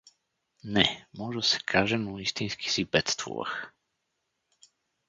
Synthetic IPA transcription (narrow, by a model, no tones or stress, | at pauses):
nɛmɔʐɛsɛ̥kʰaʒɛnuist̪ĩjskʲi̥sibɛt̪st̪vṵva̰x